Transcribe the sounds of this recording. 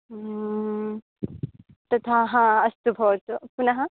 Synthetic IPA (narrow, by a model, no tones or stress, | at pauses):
t̪ɐt̪ʰaːɦãɐst̪ubʱɔːt̪upunɐɦɐ̃